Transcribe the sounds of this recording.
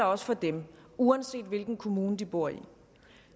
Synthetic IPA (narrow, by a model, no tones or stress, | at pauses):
ɐɒ̽sə̥fɒ̽d̥emuænse̝̰ːd̥ʋe̝lɡ̥n̩kʰo̝muːnəd̥ib̥o̝ɐ̰ḭ